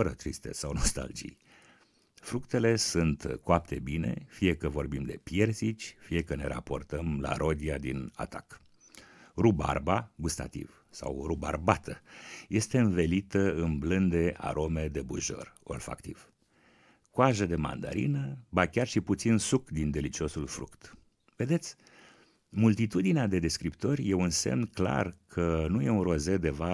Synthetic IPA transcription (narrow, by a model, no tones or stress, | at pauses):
əɾət̪ɾist̪e̞sawno̞st̪a̰ld͡ʒḭj | fɾukt̪e̞le̞sunt̪koap̚t̪e̞bine̞̰fije̞kəvo̞rbimd̪e̞pje̞rsit͡ʃʲfije̞kəne̞ɾa̰po̞̰rt̪əmla̰ɾʔo̞d̪iad̪ina̰t̪ak | ruba̰rbaɡust̪a̰t̪ḭv | sa̰wruba̰rbat̪ʰəje̞st̪e̞ɨnve̞lit̪əɨnblɨnd̪e̞ʔa̰ɾʔo̞me̞d̪e̞buʒo̞̰ro̞̰lfa̰kt̪iv̥ | kwaʒəd̪e̞ma̰nd̪a̰ɾḭnəbakʲarʃiput̪sinsukd̪ind̪e̞lit͡ʃio̞sulfɾṵkt̪ | ve̞d̪e̞t̪sʲ | mult̪it̪ud̪inead̪e̞d̪e̞skɾipt̪o̞rʲje̞unse̞̰mnkla̰rkʰənuje̞unro̞ze̞d̪e̞va